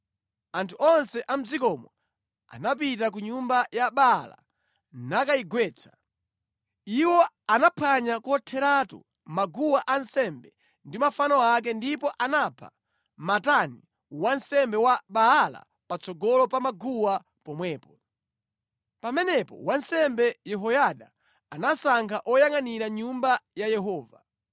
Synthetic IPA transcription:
antʰuɔnsɛʔam̩d͡zikɔmɔ̰ | a̰nap̬it̬ak̬uɲumbajaɓala̰ | nakaiɡwɛːt͡sʰḁ | iwɔ | anapʰaɲakuɔtʰɛɾatṵ | maɡuwaʔansɛmbɛ | ndimafanɔak̬ɛndipɔʔanapʰa̰ | matani | wansɛmbɛwaɓaala̰ | pat͡sɔɡɔlɔpamaɡuwa | pɔmwɛːpɔ | pamɛnɛpɔ̰wansɛmbɛjɛɦɔjaɗaː | nasaŋkʰaʔɔjaŋaniɾaɲumbajajɛɦɔːva

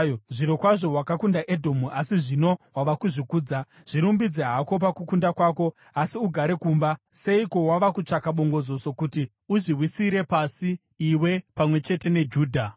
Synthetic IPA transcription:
ʐiɾokwaʐo̞ɦwakakundaʔe̞dʱo̞muʔasiʐino̞waʋakuʐikuːd͡za | ʐ̥iɾumbid͡zeɦako̞p̬akukundakwako̞ | asiuɡʱaɾe̞kuːmbase̞iko̞waʋakut͡ʂakaɓo̞ŋɡo̞d͡zo̞so̞kuti | uʐiwisiɾe̞pasiː | we̞pamwe̞t͡ʃe̞te̞ne̞d͡ʒuːdʱa

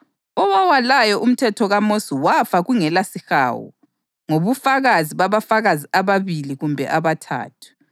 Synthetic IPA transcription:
ɔwawalajɔʔum̩tʰɛtʰɔɣamosiwafaɣuŋɛlasixa̰ːwɔ̰ | ŋoβufaɣaziβaβafaɣaziaβaβiliɣumbʱɛ̰ʔaβatʰa̰ːtʰu̥

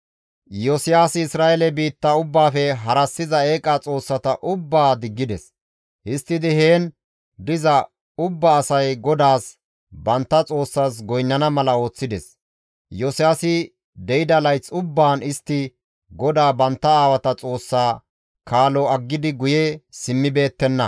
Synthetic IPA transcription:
josɪjaːsɪɪsɾaːelɛbiːt̪ːɐʊbːaːfɛɦɐɾɐsːɪzɐe̞ːkʼat͡sʼo̞ːsːɐt̪ɐʔʊbːaːd̪ɪɡːɪd̪ɛs | hɪst̪ːɪd̪ɪhe̞ːn | d̪ɪzɐ | ʊbːɐːsɐjɡɔd̪aːs | bɐnt̪ːɐt͡sʼo̞ːsːaːs̬ɡɔjnːɐnɐmɐlɐo̞ːt͡sːɪd̪ɛs | jɔsɪaːsɪ | d̪ɛjɪd̪ɐlɐjt͡sʊbːaːnɪst̪ːɪ | ɡɔd̪aːbɐnt̪ːɐaːwɐt̪ɐt͡sʼo̞ːsːaː | kaːlɔɐɡːɪd̪ɪɡʊjɛsɪmːɪbe̞ːt̪ːɛnːɐ̰

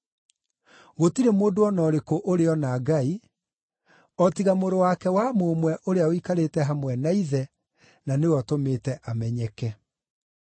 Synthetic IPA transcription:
ɣotiɾemoːndoɔnɔɾekoʔoɾeɔnaɡai | ɔtiɣamoɾowakɛwamomwɛʔoɾeaoikaɾetɛɦamwɛnaiðɛ | nanewɔtometɛʔamɛɲɛkɛ

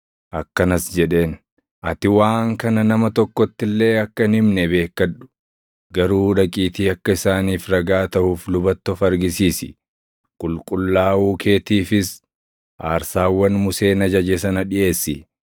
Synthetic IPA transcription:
ʔɐkːɐnɐsd͡ʒɛᶑe̞ːn | ʔɐt̪ɪwaːŋkɐnɐnɐmɐt̪ɔkːɔt̪ːɪlːe̞ːɐkːɐnɪmnɛbe̞ːkːɐᶑʊ̥ | ɡɐɾuːɾɐkʼiːt̪iːɐkːɐɪsaːniːfɾɐɡaːt̪ɐhuːflʊbɐt̪ːɔfɐɾɡɪsiːsɪ̰ | kʼʊlkʼʊlːaːuːkʰe̞ːt̪iːfɪs | ʔaːɾsaːwːɐnmʊse̞ːnɐd͡ʒɐd͡ʒeːsɐnɐᶑɪʔe̞ːsːɪ

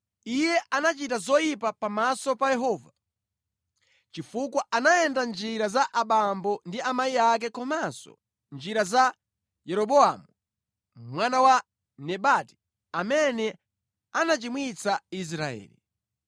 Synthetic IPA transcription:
ijɛʔanat͡ʃitazɔjipapamasɔpajɛɦɔːva | t͡ʃifukwaʔanajɛndand͡ʒiɾazaʔaɓambɔndiamaiak̬ɛkɔmasɔ̰ | nd͡ʒiɾaza | jɛɾɔɓɔamu | mwanawa | nɛɓati̥ | amɛnɛ | anat͡ʃimwit͡sais̬ɾaɛ̰ːlḭ

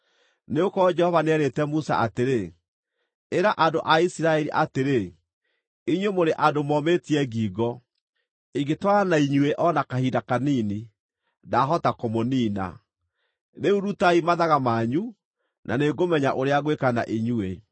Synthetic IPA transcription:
neokɔd͡ʒɛhɔvanɛɾetɛmusa̰ʔateɾe | eɾaʔandoʔaisiɾaɛɾiʔateɾe | iɲwemoɾeʔadomɔmetiɛɡiːɡɔ | iɡetwaanaiɲueʔɔnakahiːdakaniːni | daɦɔtakomoniːna̰ | ðeuɾutaimaðaɣamaːɲu | nʔa̰neɡomɛɲaʔoɾeaɣwekana̰ʔiɲue

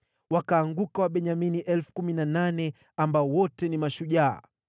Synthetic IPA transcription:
wakaːŋɡukawaɓɛɲaminiʔɛlfu̥kuminananɛ | ambaɔwɔtɛnimaʃuʄa̰ː

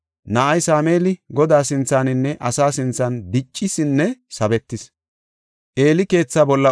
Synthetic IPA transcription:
nɐʔɐjsaːme̞ːlɪɡɔd̪aːsɪnt͡sːaːnɪnːɛʔɐsaːsɪnt͡sːɐnd̪ɪt͡ʃʼːɪsɪnːɛsɐbɛt̪ːɪs | ʔe̞ːlɪke̞ːt͡sːaːbɔlːɐ

